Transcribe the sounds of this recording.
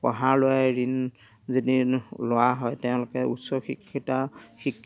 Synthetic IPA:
pɔ̰ɦaɹlʊajɹin | zidilowaɦɔjtɛʊ̃lʊkɛṵtsɔxikʰːitaxikʰː

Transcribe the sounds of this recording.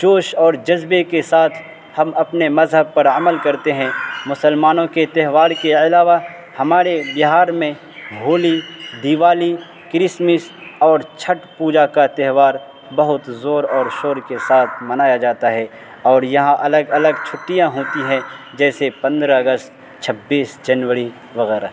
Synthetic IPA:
t͡ʃoːʃɔːɾd͡ʒɐzbekesaːt̪ʰ | hɐmɐpnemɐzɦəb̚pɐɾɐməlkɐɾt̪eɦɛ̃mʊsəlmaːnõket̪ɛɦʋaːɾkeɐlaːʋa | hɐmaːɾebɪɦaːɾmẽ | bʱoːlid̪iʋaːli | kɾɪsmɪsɔːɾt͡ʃʰɐʈpuːd͡ʒakat̪ɛɦʋaːɾ | bɐɦʊt̪zoːɾɔːɾʃoːɾkesaːt̪ʰmɐnaːjad͡ʒaːt̪aɦɛː | ɔːɾjɐɦãʔɐləɡɐləɡt͡ʃʰʊʈːijãɦoːt̪iɦɛ̃ | d͡ʒɛːsepɐ̃nd̪ɾaɐɡəst̪ | t͡ʃʰɐbːiːsd͡ʒɐnʋəɾi | ʋɐɣɛːɾa̰

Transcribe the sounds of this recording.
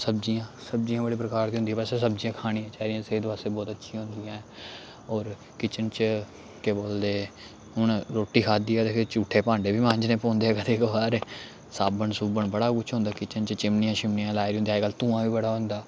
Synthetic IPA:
səbd͡ʒijãːsəb̚d͡ʒijãːbəɽeːpɾəkaːɾd̪iɦʊ̃nd̪iɛːpɛseːs̬əbd͡ʒijãːkʰaːɽĩjãːt͡ʃaːɾijãːseːd̪ʋaːseːbɔːt̪ətːʃʰiãːɦʊ̃nd̪ɪjãːɛ̃ː | ɔːɾ | kɪt͡ʃənt͡ʃ | keːboːld̪eː | ɦʊnɾoːʈːiːkʰaːd̪iːɛːd̪eːkʰet͡ʃuːʈʰːeːpãːɳɖeːbiːmãːɲd͡ʒnẽːpɔ̃ːnd̪eːɛːkəd̪eːkʋaːɾeː | saːbəɳsubəɳbəɽaːkʊt͡ʃʰɦõnd̪aːkɪt͡ʃənt͡ʃt͡ʃɪmnijãːʃɪmnijãːlaːɪɾiːɦʊnd̪iaːeːɡəlt̪ũːãːʋiːbəɽaːɦʊ̃nd̪aː

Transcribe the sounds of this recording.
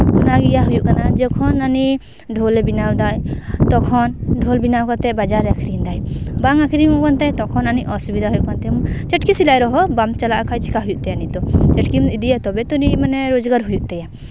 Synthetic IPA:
unaɡijaɦujuʔkanad͡ʒɔkʰɔnani | ɖʱolɛbinawd̪ajt̪ɔkʰɔnɖʱolbinawkɔt̪ɛʔbad͡ʒaɾɛakʰɾind̪ajbaŋakʰɾiŋũkɔnt̪ɛjt̪ɔkʰɔnaniʔʔɔsubid̪ʱaɦujuʔkɔnt̪ɛmɔt͡ʃɛʈkisilajɾɔɦɔbamt͡ʃalaʔakʰajt͡ʃʰi̥kaɦujuʔt̪ɛjanit̪ɔt͡ʃɛʈkimid̪ijat̪ɔbɛt̪uɾimanɛɾod͡ʒɡaɾɦujuʔt̪ɛja

